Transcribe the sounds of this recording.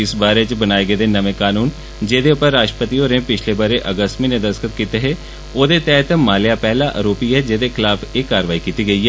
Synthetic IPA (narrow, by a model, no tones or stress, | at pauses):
ɪsbaːɾet͡ʃbənaːeɡəːd̪eːnəʋẽːkaːnuːn | d͡ʒeːd̪eʊpəɾːaːʃʈɾə̥pət̪iːoːɾẽːpɪt͡ʃʰlebəɾeʔəɡəst̪mĩːnẽd̪əskət̪kiːt̪eɦeː | oːd̪eːt̪ɛːt̪maːljaːpɛɦlaʔə̰ɾoːpiɦɛːd͡ʒeːd̪eːkʰɪlaːpʰeːkːaːɾəʋaːikiːt̪iːɡəiːɦɛː